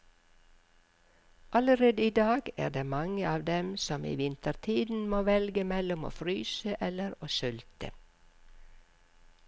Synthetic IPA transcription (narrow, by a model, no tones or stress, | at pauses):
ʔɑləɾeːd̪əiːd̪ɑːɡæ̰ːɖeːmɑŋəɑːʋd̪ɛmsɔmḭːʋɪnt̪əɾt̪ʰiːd̪n̩moːʋɛlɡəmɛlʊmo̰ːfɾyːsəʔɛləɾoːsʉlt̪ə̰